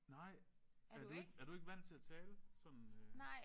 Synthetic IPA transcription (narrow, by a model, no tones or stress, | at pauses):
nɑ̈ɪ̰æɐdeɡ̥æɐɾ̥ue̝ɡ̥ʋæn̰t͡sʰe̝æt͡sʰɛːləsɒ̽n̰n̩ø